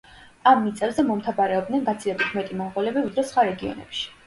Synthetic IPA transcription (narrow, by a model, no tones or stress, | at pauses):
amːit̪sʼɛbzɛmɔmt̪ʰabaɾɛɔb̚d̪nɛnɡat̪sʰilɛbit̪ʰmɛt̪ʼimɔmqɔlɛbiud̪ɾɛsχwaɾɛɡiɔ̰nɛ̰pʃi̥